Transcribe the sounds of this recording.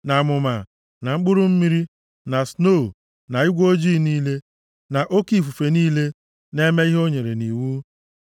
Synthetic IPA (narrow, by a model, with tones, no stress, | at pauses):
na˨mʊ˨ma˨ | na˨ŋ͡m̩˦k͡pʊ˦ɾʊ˦m̩˦mi˦ɾi˦ | na˨sno˦˨ | na˨i˦ɡʷo˦d͡ʒiː˦˨niː˦le˦ | na˨ʔo˦ki˦˨fu˨fe˨niː˦le˦ | ne˦me˦i˦ɦo˦ɲe˨ɾe˨ni˨wu˦